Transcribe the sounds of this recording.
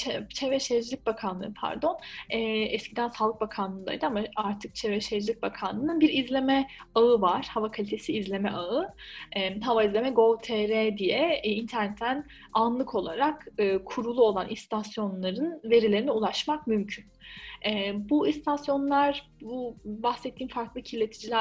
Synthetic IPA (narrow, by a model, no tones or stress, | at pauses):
t͡ʃʰɛt͡ʃʰɛvɛʃed͡ʒlʲic̚bakʰanlˠɯ̰ːpʰa̰ɾd̪o̞nɛːɛscid̪ænsalˠɯk̚bakʰanlˠɯnd̪a̰jd̪ɯamaaɾt̪ʰɯk̚t͡ʃʰevɛʃed͡ʒlʲic̚bakʰanlˠɯnɯnbiɾizlʲe̞mɛ | aɯvaɾ̥havakʰalʲit̪ʰe̞siːzlʲe̞mɛʔaɯɛɦavaizlʲe̞mɛɡo̞lˠt̪ʰɛɾɛd̪ijɛint̪ʰæɾnɛt̪ʰːæn | anlˠɯkʰo̞lˠaɾakɯːkʰuɾulˠuo̞lˠanʔist̪ʰasjo̞nlˠaɾɯnve̞ɾilʲeinɛulˠaʃmak̚mymcʰynɛbuist̪ʰasjo̞nlˠaɾ | bubaxsɛt̪ʰːiːnfaɾklˠɯcʰilːʲe̞t̪ʰid͡ʒilʲæ